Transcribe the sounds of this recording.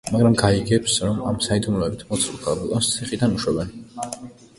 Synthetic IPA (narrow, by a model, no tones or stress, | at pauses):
maɡɾamɡaiɡɛpsɾɔmamsaid̪umlɔɛbit̪ʰmɔt̪sʰukʰalbɛlʼɔnst̪sʰiχid̪anuʃwɛbɛn